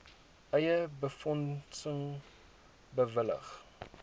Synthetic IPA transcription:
ʔɛjəbəfɔnsəŋ | bəvələ̰χ

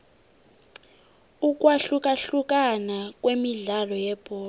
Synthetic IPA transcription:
uk̬ʼwaɬuk̬ʼaɬuk̬ʼanak̬ʼwemiɮalɔjɛb̥ʱɔː

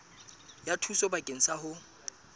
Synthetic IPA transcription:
jatʰusɔbakʼen̩sahʊ

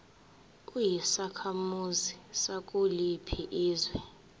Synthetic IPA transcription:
kʼujisakʰamuzisakʼulipʰiʔiːzwɛ

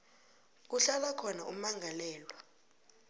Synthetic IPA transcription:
k̬uɬalakʰɔnaumaŋʱalɛːlwa

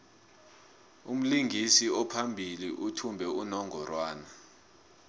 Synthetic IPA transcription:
um̩liŋɡʱisiɔpʰambʱiliʔutʰumbʱɛunɔŋʱɔrwaːna

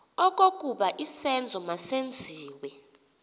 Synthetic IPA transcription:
ɔk̬ʼok̬ʼuɓaʔisɛnd͡zʱɔmasend͡zʱiːwɛ

